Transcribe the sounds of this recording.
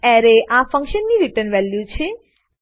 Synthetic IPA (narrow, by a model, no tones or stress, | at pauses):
ɛɾeʔafə̃ŋkʃənːiɾiʈəɾnʋɛljut͡ʃʰe